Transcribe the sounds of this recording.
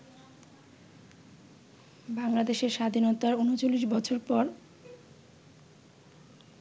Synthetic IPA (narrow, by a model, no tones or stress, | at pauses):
baŋlad̪eʃeɾʃad̪ʱinot̪aɾunot͡ɕolːiʃbɔt͡ɕʰoɾpɔɾ